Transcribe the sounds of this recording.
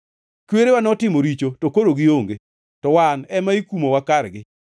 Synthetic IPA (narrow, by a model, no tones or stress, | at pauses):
kweɾewanɔtɪmoɾit͡ʃotokoɾoɡɪoŋɡe | tɔwanɛmaikumowakaɾɡɪ